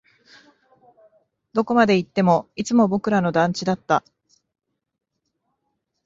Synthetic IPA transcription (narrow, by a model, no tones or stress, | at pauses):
d̪o̞ko̞mad̪e̞it̪ːe̞mo̞it͡sɨmo̞bo̞kɯ̟ɾano̞d̪ãɲ̟t͡ɕid̪at̪ːa